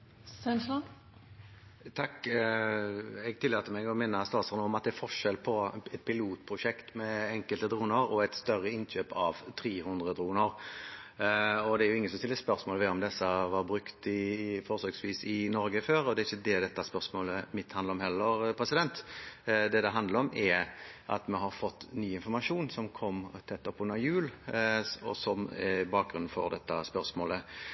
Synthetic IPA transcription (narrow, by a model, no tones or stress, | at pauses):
sɛnslɑ | t̪ʰɑk | ɛɡt̪ʰɪlːɑːt̪əmɛɡɔmɛnːəst̪ɑːt̪sɑʁnəɔmɑt̪̚d̪ɛæɾfɔʂɛlpʰɔɛt̪̚pʰɪluːt̪pʰɾʊʂɛkt̪mɛɛŋkəlt̪əd̪ɾuːnəɾɔɛt̪st̪œrːəɪnɕøːpɑʋt̪ʰɾiːhʊnd̪ʁəd̪ɾuːnəɾ | ɔd̪ɛæɾjʊɪŋːənsɔmsɪlːəspœɾsmoːlʋɛɔmd̪ɛsːəʋɑbɾʉkt̪ɪfɔɾsøːɡsʋiːsɪnɔɾɡəføːɾɔd̪ɛɾɪçːəd̪ɛd̪ɛt̪ːɑspœʁsmoːləmɪt̪ːhɑnd̪əɾɔmhɛlːəɾpʰɾɛsɪd̪ɛnt̪d̪ɛd̪ɛɦɑnd̪ləɾɔmʔɛʔɑ̰t̪mɛɦɑɾfɔt̪ːnyːɪnfɔɾmɑʂuːnsɔmkʰɔmːt̪ʰɛt̪ːɔpːʉnːəɾjʉːl | ɔ̰sɔmɛbɑːk̚ɡɾʉnn̩fɔ̰ɾd̪ɛt̪ːɑspœʁsmoːlə